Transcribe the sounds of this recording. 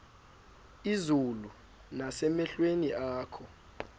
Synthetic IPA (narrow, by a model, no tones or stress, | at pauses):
izulu | nasɛmɛɬweniʔaːkʰɔ